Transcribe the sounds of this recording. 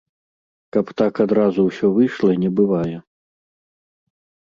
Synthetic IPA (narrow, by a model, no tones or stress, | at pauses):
kɐpt̪akad̪ɾazuwsʲɔvɨjʂlˠɐinʲɛbɨvajɛ